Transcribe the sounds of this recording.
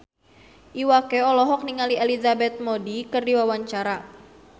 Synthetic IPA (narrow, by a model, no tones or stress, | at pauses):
ʔiwakeɔlɔɦɔk̚niŋalielizabɛt̪̚modikɨrdiwawaɲt͡ʃaɾa